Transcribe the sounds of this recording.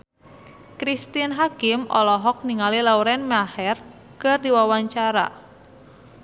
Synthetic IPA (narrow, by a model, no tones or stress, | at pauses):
kɾist̪inɦakɪmʔɔ̰lɔɦɔk̚niŋalilauɾɛnmahɛr | kərdiwawaɲt͡ʃaɾa̰